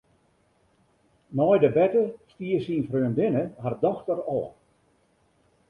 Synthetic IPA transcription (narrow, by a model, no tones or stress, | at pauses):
nɔjdəbɛtəstiːəsinfrøəndɪnəhardɔxtərɔː